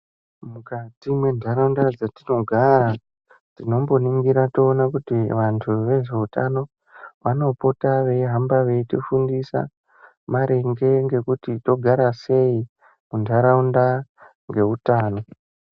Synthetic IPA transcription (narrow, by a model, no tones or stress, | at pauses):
mukatimwe̞ndʱaɾaundad͡zatino̞ɡʱaɾa | tino̞mbo̞niŋɡiɾato̞ːnakutiʋantʰuʋe̞ʐe̞uta̰no̞ | ʋano̞po̞taʋe̞ɦambaʋe̞itifundisa̰ | maɾe̞ŋɡe̞ŋɡe̞kutito̞ɡʱaɾase̞i | mundʱaɾaunda | ŋɡe̞utaːno̞